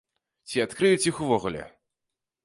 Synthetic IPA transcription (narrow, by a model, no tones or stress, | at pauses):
t͡sʲiat̪kɾɨjut͡sʲjixuvɔɣulʲɛ̰